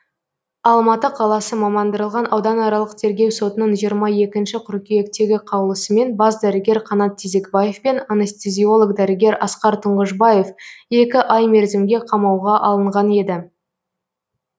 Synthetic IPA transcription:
ɑlˠmɑt̪əqʰɑlˠɑsəmɑmɑnd̪əɾəlˠʁɑnʔɑwd̪ɑnɑɾɑlˠəqt̪ʰe̞ɾɡʲe̞wso̞t̪ənəɴʒijəɾmɑje̞kʲɪnʃɪqʰʊɾkʲeje̞kt̪e̞ɡʲɪqʰɑwlˠəsəme̞nbɑzd̪æɾɪɡʲe̞ɾqʰɑnɑt̪ʰːeze̞kbajefpe̞nanest̪ezʲio̞lˠoɡd̪æɾɪɡʲe̞ɾɑsqɑɾt̪ʰəɴʁəʒbɑje̞fe̞kʲɪʔɑjmeɾzɪmɡʲe̞qʰɑmɑwʁɑʔɑlˠəɴʁɑne̞d̪ɪ

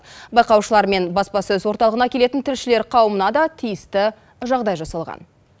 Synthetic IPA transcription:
bɑjqɑwʃəlˠɑɾme̞nbɑspɑsɵzwo̞ɾt̪ɑlˠəʁənɑkʲʰe̞le̞t̪ɪnt̪ʰɪlʃɪle̞ɾqʰɑwəmənɑd̪ɑt̪ʰijɪst̪ɪ | ʒɑʁd̪ɑjʒɑsɑlˠʁɑ̰n

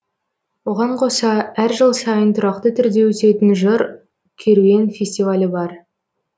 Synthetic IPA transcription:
wo̞ʁɑɴqʰo̞sɑæɾʒəlˠsɑjənt̪ʰʊɾɑq̚t̪ət̪ʰʏɾd̪e̞wɵse̞t̪ɪnʒəɾ | kʲʰe̞ɾue̞nfʲe̞sʲt̪ivalʲəbɑɾ

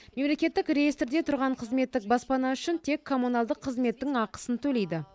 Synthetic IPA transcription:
me̞mle̞kʲe̞t̪ːɪkrejist̪ɾd̪e̞t̪ʰʊɾʁɑɴqʰəzme̞t̪ːɪk̚bɑspɑnɑʏʃɪnt̪ʰe̞kʰːo̞munɑlˠd̪əqʰːəzme̞t̪ːɪŋɑqə̥sənt̪ʰɵle̞jd̪ɪ

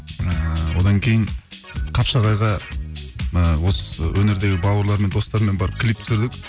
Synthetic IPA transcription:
əwo̞d̪ɑŋkʲʰe̞jɪɴ | qʰɑpʃɑʁɑjʁɑ | əwosəwʔɵne̞ɾd̪e̞ɡʲɪbɑwəɾlˠɑɾme̞nd̪o̞st̪ɑɾme̞nbɑɾəp̚kʲʰɪlip̚t̪ʰʏ̥sɪɾd̪ɪk

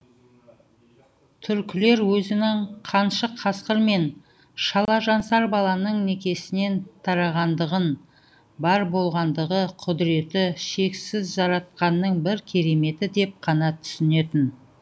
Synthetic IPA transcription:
t̪ʰʏɾkʲɪle̞ɾwɵzɪnɪɴqʰɑnʃəqʰɑsqəɾme̞n | ʃɑlˠɑʒɑnsɑɾbɑlˠɑnəɴne̞kʲe̞sɪne̞nt̪ʰɑɾɑʁɑnd̪əʁən | bɑɾbo̞lˠʁɑnd̪əʁəqʰʊd̪ɪɾe̞t̪ɪʃe̞ksɪzʒɑɾɑt̪̚qɑnːəɴbɪɾkʲʰe̞ɾe̞me̞t̪ɪd̪e̞p̚qʰɑnɑt̪ʰʏ̥sɪne̞t̪ɪn

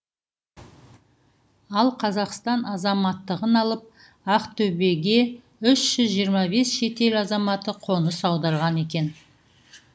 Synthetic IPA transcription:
ɑlˠqʰɑzɑqst̪ɑnɑzɑmɑt̪ːəʁənɑlˠəp̚ | ɑqt̪ʰɵbe̞ɡʲe̞ | ʏʃʒ̥ʏzʒijəɾmɑβe̞sʃe̞t̪e̞lɑzɑmɑt̪əqʰo̞nəsɑwd̪ɑɾʁɑne̞kʲe̞n

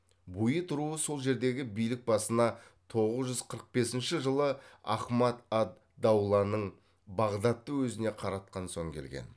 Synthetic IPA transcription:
bujət̪ʰʊɾuəso̞lˠʒe̞ɾd̪e̞ɡʲɪbijlɪk̚bɑsənɑ | t̪ʰo̞ʁəzʒʏz̥qʰəɾəq̚be̞sɪnʃɪʒəlˠəɑ̰χmɑt̪ɑd̪ːɑwlˠɑnəɴ | bɑʁd̪ɑt̪ːəwɵzɪne̞qʰɑɾɑt̪̚qɑnso̞ŋkʲʰe̞lɡʲḛn

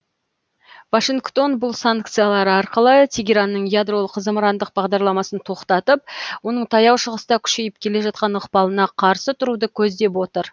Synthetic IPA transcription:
vaʃiŋkt̪o̞nbʊlˠsaŋk̚t̪sɨjalˠɑɾəɑɾqəlˠət̪ʲʰeɡʲeɾanːəɴjad̪ro̞lˠəqʰːəzəməɾɑnd̪əq̚bɑʁd̪ɑɾlˠɑmɑsənt̪ʰo̞qt̪ɑt̪əp̚wo̞nəɴt̪ʰɑjɑwʃəʁəst̪ɑkʲʰʏ̥ʃe̞jɪp̚kʲʰe̞le̞ʒɑt̪̚qɑnəqpɑlˠənɑqʰɑɾsət̪ʰʊɾud̪əkʲʰɵzd̪e̞pwo̞t̪əɾ

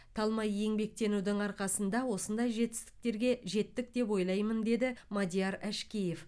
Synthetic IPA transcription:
t̪ʰɑlˠmɑjːe̞ŋbe̞k̚t̪e̞nuwd̪ɪŋɑɾqɑsənd̪ɑwo̞sənd̪ɑjʒe̞t̪ɪ̥st̪ɪ̥k̚t̪e̞ɾɡʲe̞ʒe̞t̪ːɪk̚t̪e̞p̬wo̞jlˠɑjmənd̪e̞d̪ɪmad̪ʲijɑɾæʃkʲeje̞f

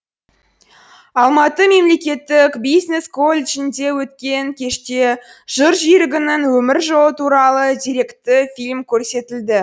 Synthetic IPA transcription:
ɑlˠmɑt̪əme̞mle̞kʲe̞t̪ːɪkbijzne̞skʰo̞lʲet͡ʃɪnd̪e̞wɵt̪kʲe̞ŋkʲʰe̞ʃt̪e̞ʒ̥əɾʒijɾɪɡʲɪnɪŋwɵmɪɾʒoət̪ʰuɾɑlˠəd̪iɾe̞kt̪ɪfilʲmkʲʰɵɾse̞t̪ɪld̪ɪ

